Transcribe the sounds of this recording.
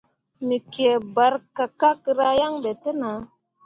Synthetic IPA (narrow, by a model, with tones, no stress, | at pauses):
mi˨ke˨ba˨˦ɾka˨ka˦ki˦ɾa˦ja˦ŋbɛ˨te˦na˨˦